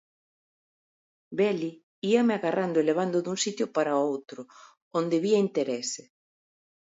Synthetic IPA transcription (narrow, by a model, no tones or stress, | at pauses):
bɛli | iɐmeaɣarʔand̪oeleβ̞and̪ʊðuŋsit̪jʊpaɾaowt̪ɾʊ | ond̪eβiɐint̪eɾɛse